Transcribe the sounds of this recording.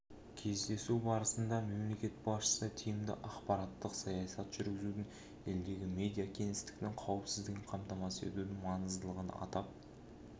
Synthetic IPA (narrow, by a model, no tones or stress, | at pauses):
kʲʰe̞zd̪e̞subɑɾəsənd̪ɑme̞mle̞kʲe̞t̪̚bɑsʃə̥sət̪ʰijɪmd̪ɪ̰ʔɑqpɑɾɑt̪ːəqsɑjɑsɑt̪ʒ̥ʏɾɡʲɪzud̪ɪŋ | e̞ld̪e̞ɡʲɪme̞d̪ijakʲʰe̞ŋɪst̪ɪ̥k̚ʲt̪ɪŋqʰɑwəpsɪzd̪ɪɡʲɪɴqʰɑmt̪ɑmɑsəe̞̰t̪ud̪ɪŋmɑnəzd̪əlˠəʁənɑ̰t̪ɑp̚